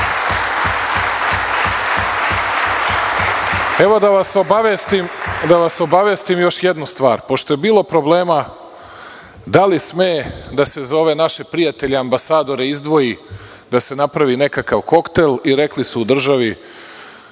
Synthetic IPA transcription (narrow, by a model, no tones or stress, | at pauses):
e̞ʋo̞d̪aʋasobaʋest̪imd̪aʋaso̞baʋjest̪imjo̞ʃjed̪nust̪ʋaːɾpo̞ʃt̪o̞jebiːlo̞pɾo̞ble̞ːma | d̪alismejed̪ase̞zo̞ʋe̞naʃe̞pɾijat̪e̞ʎeambasaːd̪o̞ɾeizd̪ʋo̞ji | d̪ase̞napɾaʋiːne̞kakaʋko̞kt̪e̞liɾe̞klisuːd̪r̩ʒaʋi